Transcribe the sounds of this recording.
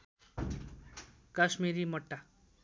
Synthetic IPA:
kaʃmiɾimʌʈːa

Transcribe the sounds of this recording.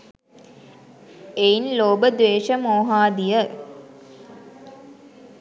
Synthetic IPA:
einloːbəd̪ʋeːʃəmoːɦaːd̪ijə

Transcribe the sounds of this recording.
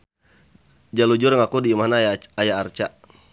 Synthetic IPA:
d͡ʒalud͡ʒʊrŋakudiːmaɦnaajaːrt͡ʃa

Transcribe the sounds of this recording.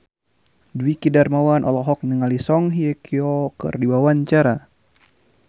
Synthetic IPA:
duwikidarmawanʔɔ̰lɔɦɔk̚nəŋalisɔŋɦiɛkʰiɔkɨ̰rdiwawaɲt͡ʃaɾa

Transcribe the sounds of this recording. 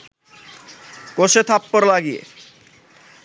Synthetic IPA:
koʃet̪ʰapːoɾlaɡiḛ

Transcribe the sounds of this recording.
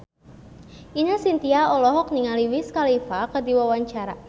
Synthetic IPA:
ʔinasint̪iaɔlɔɦɔk̚niŋaliwiskalifakədiwawaɲt͡ʃaɾa̰

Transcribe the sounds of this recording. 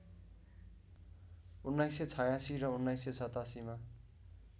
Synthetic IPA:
unːajset͡sʰʌjasirʌunːajsesʰʌt̪asima

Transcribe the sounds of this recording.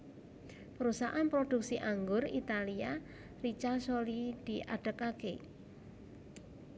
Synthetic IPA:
pəɾusaʔanpɾod̥ṳk̚siʔaŋɡʊrḭt̪alia | rit͡ʃasolid̪̥iʔa̰ɖ̥əkake

